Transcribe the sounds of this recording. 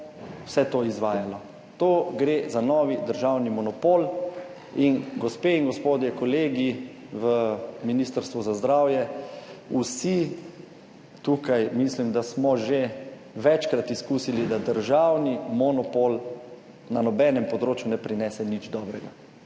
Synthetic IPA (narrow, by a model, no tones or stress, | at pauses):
w̥sɛt̪oizʋaːjalɔ | t̪oːɡɾeːzanɔːʋid̪əɾʒawnimɔnɔpoːl | inɡɔspeːiŋɡɔspoːd̪jɛkɔleːɡi | ʋəminist̪əɾst̪ʋuzazd̪ɾawjɛusi | t̪uːkajmislimd̪asmɔʒe | ʋɛt͡ʃkɾat̪iskuːsilid̪ad̪əɾʒawnimɔnɔpoːl | nanɔbɛnɛmpɔd̪ɾoːt͡ʃjunɛpɾinɛːsɛnid͡ʒd̪ɔːbɾɛɡa